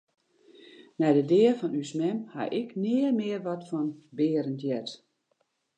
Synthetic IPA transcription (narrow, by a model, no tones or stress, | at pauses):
nɛjdədɪərfɔnysmɛmha̰ʔɪknɪərmɪərʋɔtfɔnbɪːəɾəntjɛt